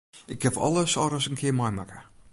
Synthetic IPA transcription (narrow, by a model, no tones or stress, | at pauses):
ɪkʰːɛfɔ̰lˠəsɔɾəsənkʰɪəmɔjmakə̥